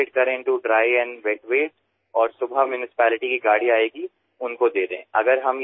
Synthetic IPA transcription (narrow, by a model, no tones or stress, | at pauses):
ʈ̚kɐɾẽɪ̃ɳʈuɖɾaːiɛ̃ːnʋeːʈʋeːʈ | ɔːɾsʊbʱamjʊnɪsɪ̥pɛːlɪʈikiɡaːɽiaːeːɡi | ʊnkod̪eːɾeɦɛ̰̃ʔɐɡəɾɦɐm